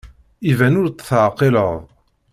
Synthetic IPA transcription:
ivænʊɾt͡sθʕqːɪləðˤ

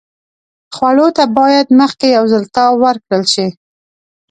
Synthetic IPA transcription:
xwaɽot̪abɑjad̪məxkejawzəlt̪ɑwəɾkɽəlʃi

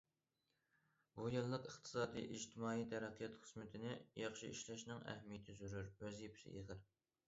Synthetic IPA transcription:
bujɨlˠːəqəχt̪ʰɨ̥sɑːd̪ḭjʔid͡ʒt̪ʰɪmɑːijt̪ʰæɾɛqʰijɛt̪qʰə̥smɪt̪ʰɪnɪjɑχʃḭiʃlɛʃnɪŋæ̰hmijt̪ʰyzyɾyɾøzipʰsɪ̰ʔḭʁɨɾ

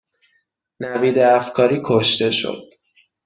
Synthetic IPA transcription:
næbiːd̪eæfkʰɒːɾiːkʰoʃt̪e̞ʃo̰d̪̥̚

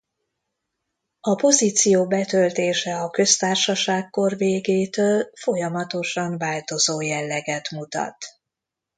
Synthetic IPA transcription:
ɒpo̞zit̪sijoːbɛt̪ølt̪eːʃɛɒkø̞st̪aːrʃɒʃaːkkːo̞rveːɡeːt̪øːlfo̞jɒmɒt̪o̞ʃɒɱvaːlt̪o̞zoːjɛlːɛɡɛt̪mut̪ɒ̰t̪

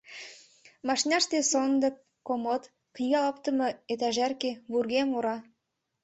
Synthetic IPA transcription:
mɑʃnʲɑʃt̪esond̪ɤ̆k̚ | komot̪ | kiɣɑɤpt̪ə̆mɤ̆et̪æʒærkeβurɣemuɾɑ

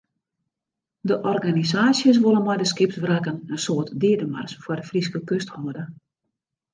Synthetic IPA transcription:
dəʔɔrɡanizaːsjəs̬ʋolənmɔjdəskɪp̚tʋrakənəsoətdɪədəma̰rsfwɔrdəfriskəkøsthoədə

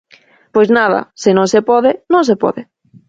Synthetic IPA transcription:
pojznaða̰sɪnõŋsepɔðɪnõŋs̬epɔ̰ðɪ

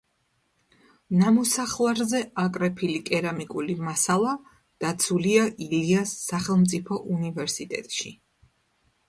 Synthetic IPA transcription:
namɔsaχlˠaɾzɛakʼɾɛpʰilikʼɛɾamikʼulimasalˠa | d̪̥at̪sʰuliaʔiliasːaχɛlˠmt̪sʼipʰɔʔunivɛɾsit̪ʼɛ̰t̪ʼʃḭ

